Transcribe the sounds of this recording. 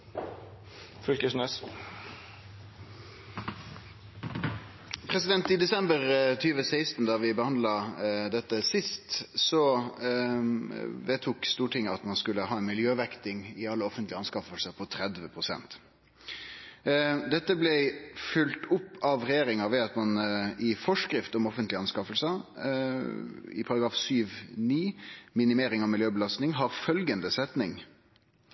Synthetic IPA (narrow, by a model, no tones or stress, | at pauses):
fʏlkəsnøːs | pʰʁɛsɪd̪ɛnt̪ɪd̪ɛsɛmbəʁt̪ʰyːʋəsæɪst̪n̩d̪ɑːʋɪbəhɑnd̪lɑd̪ɛt̪ːəsɪst̪sɔ | ʋeːt̪ʰuːkst̪uːʈʰɪŋːəɑt̪mɑnskʉləɦɑːɛnmɪljøːʋɛkt̪ɪŋɪɑlːəɔfənt̪lɪɑnskɑfəlsəpʰɔt̪ʰɾɛd̪ʋəpʰʁʊsɛ̰nt̪ | d̪ɛt̪ːəblɛfʏlt̪ʊpːɑʋʁɛjeːɾɪŋɑʋɛɑt̪mɑnɪfɔʂkɾɪft̪ɔmɔfənt̪lɪɑnskɑfəlsə | ɪ̰pʰɑɾɑɡɾɑːfsyːʋniːmɪnɪmeːɾɪŋɑʋmɪljøːbəlɑst̪nɪŋɦɑɾfœlɡənd̪əsɛt̪nɪŋ